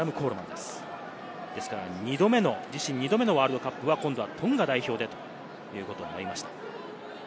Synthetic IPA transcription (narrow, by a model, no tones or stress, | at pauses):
amɯ̟kʰo̞ːɾɯmã̰nd̪e̞sɨ̥ | d̪e̞sɨ̥kaɾaɲ̟id̪o̞me̞no̞d͡ʑiɕĩɲ̟ːid̪o̞me̞no̞βaːɾɯd̪o̞kapːɯ̟βakõnd̪o̞βat̪ʰõ̞ŋɡad̪aiço̞ːd̪e̞t̪o̞̥ | jɯ̟ːko̞t̪o̞ːnoɾʲimaɕi̥t̪ḁ